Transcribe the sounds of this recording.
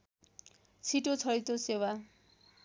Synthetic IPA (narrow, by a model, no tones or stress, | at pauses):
t͡sʰiʈot͡sʰʌɾit̪osewa